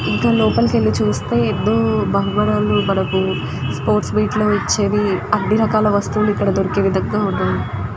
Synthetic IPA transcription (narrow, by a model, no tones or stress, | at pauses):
iŋkaloːpɐlkelːit͡ʃuːst̪e̞ːed̪ːo̞ːbʱɐɦubɐɽaːlubɐɽɐku | spoːɾʈsbiːʈlo̞ːit͡ʃːe̞ːʋiɐɖ̪ːiɾɐkaːlɐʋɐst̪uːluikːɐɽɐd̪oɾikiʋid̪ʱɐŋɡaːuɖ̪ːaːnu